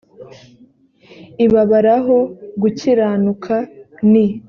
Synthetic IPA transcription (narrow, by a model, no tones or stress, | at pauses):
iβaβaɾaɦo̞ɡuciɾaːnukʰani